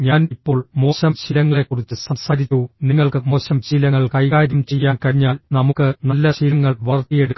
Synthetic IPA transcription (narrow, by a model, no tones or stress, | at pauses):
ɲaːnipːo̞ːɭmo̞ːɕɐmɕilɐŋːɐɭe̞kːurit͡ɕːɨsɐmsaːɾit͡ɕːuniŋːɐɭkɨmo̞ːɕɐmɕilɐŋːɐɭkɐjkaːɾumt͡ɕe̞jːaːnkɐɻiɲːaːlnɐmukːɨnɐlːɐɕilɐŋːɐɭʋɐrt̪ːijeɽukː